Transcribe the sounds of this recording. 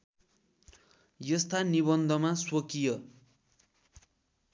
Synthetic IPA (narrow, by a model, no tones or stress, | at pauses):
jʌst̪aniβʌnd̪ʱʌmaswokijʌ